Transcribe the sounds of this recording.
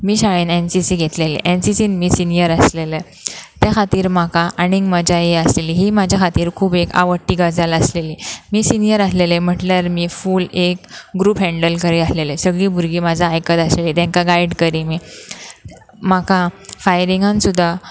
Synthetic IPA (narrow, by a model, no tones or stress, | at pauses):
miːɕaɭiːnensisiːɡʱet̪lelḛʔensisiːnmiːsinijəɾəslelə | t̪jakʰat̪iːɾmakaʔañiŋɡməd͡ʑʱajeəsleliːɦimad͡ʑʱjakʰat̪iːɾkʰuːbeka̰ʋəʈːiːɡad͡zaləsleliːmiːsinjəɾaslelem̤əʈljaɾmiːfuːlekɡɾuːpɦɛ̃ɳɖəlkəɾiasleləsəɡɭiːbʱuɾɡiːmad͡zʱaːjkət̪əsleliːt̪ãŋkaɡaiɽkəɾimiː | makafajɾiŋɡãnsud̪ʱːa